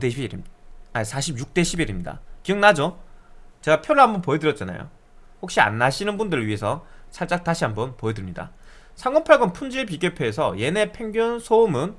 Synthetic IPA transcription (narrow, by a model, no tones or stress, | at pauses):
deɾ | sʰaɕʰibjuk̚t͈e̞ɕʰibiɾimɲida̰kiɯŋnad͡ʑo | t͡ɕe̞ɡapʰjoɾɯɭɦambʌnpoedɯɾjʌt̚t͡ɕ͈ana̰jo̰ | ɸok̚ɕ͈ia̰nːaɕʰinɯnbundɯɾɯɭɥiɦe̞sʰʌsʰaɭt͡ɕ͈ak̚t͈aɕʰiɦambʌnpoedɯɭmɲida̰ | sʰaŋʌnpʰaɭɡɯnpʰund͡ʑiɭp̬iɡjepʰeːsʰʌ̰je̞ne̞pʰe̞ŋɡjonsʰoːmɯn